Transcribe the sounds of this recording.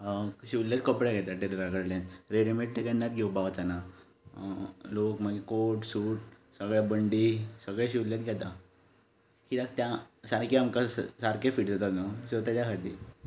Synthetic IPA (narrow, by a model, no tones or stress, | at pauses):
kəɕiulːet̪kəpɽjaɡʱɛt̪aʈeɾɾaɡəɽlẽt̪ɾeɽimeʈ̚ʈ̪ekanːat̪̚ɡʱewbaʋt͡sana | lokmaɡekoʈsuːʈ̚səɡɭabəɳɖisəɡɭeɕiʋuljet̪ɡʱɛt̪a | kiɾak̚t̪jãsaɾkeamkassaɾkefiːʈd͡zʱat̪at̪nəsət̪at͡ɕjakʰat̪i